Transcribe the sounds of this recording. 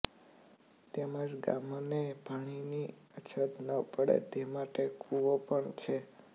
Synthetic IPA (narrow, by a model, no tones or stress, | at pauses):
t̪eməd͡ʒɡa̰monebʱaɽ̃ini | ət͡ʃʰət̪nəpəɽḛt̪emaʈekʰuʋopəɳt͡ʃʰe